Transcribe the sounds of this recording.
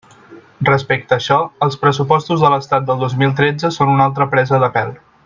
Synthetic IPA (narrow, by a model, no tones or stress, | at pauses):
rəspek̚t̪əːʃɔəlˠspɾəsupɔst̪uzðələst̪at̪̚d̪əlˠd̪ozmilˠt̪ɾed͡zəsonunalˠt̪̬ɾəpɾɛzəðəpɛlˠ